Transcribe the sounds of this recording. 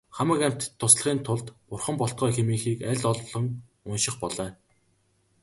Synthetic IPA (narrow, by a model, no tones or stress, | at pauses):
χamə̆kæm̥ʲt̪̆t̪ʰːʊsɮə̆χiːnt̪ʰʊɮt̪pʊrχə̆mpɔɬt̪̚ɢœːxemiːxiːkæɮʲɔɮwɮɞ̆ŋ | ʊnʃɪ̆χpɔɮœː